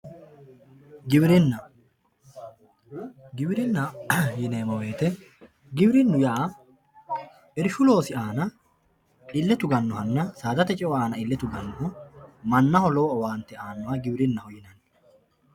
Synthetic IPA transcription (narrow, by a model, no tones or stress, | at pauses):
ɡɪbɪɾɪnːɐ | ɡɪbɾɪnːɐjɪneːmɐwe̞ːt̪ɛ | ɡɪbɪɾɪnːʊjaː | ʔɪɾɪʃʊlo̞ːsɪaːnɐ | ɪlːɛt̪ʊɡɐnːɔhɐnːɐsaːd̪ɐt̪ɛt͡ʃʼɛwɔaːnɐɪlːɛt̪ʊɡɐnːɔɦɔmɐnːɐhɔlɔɔwaːnt̪ːɛaːnːɔhɐɡɪbɾɪnːɐhɔjɪnɐnː